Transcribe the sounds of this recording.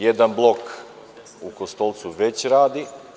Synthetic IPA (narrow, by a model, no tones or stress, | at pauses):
jed̪anblˠo̞k | ukost̪o̞lˠt̪suʋe̞t͡ɕɾaːd̪i